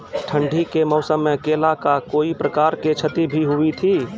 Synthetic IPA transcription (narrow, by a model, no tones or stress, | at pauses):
ʈʰəɳɖʱikemɔʊsəmːekelakakoːipɾəkaːɾket͡ʃʰət̪ibʱiɦuit̪ʰiː